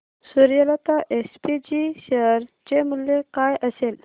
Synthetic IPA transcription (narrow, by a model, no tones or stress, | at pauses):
suɾijəlat̪aʔespid͡ʑiɕəɾ | d͡ʑemuljekajʔəsel